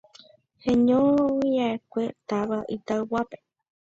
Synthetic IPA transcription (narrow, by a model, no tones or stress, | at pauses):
hẽɲõwiaekʷet̪aʋaʔit̪aɨwape̥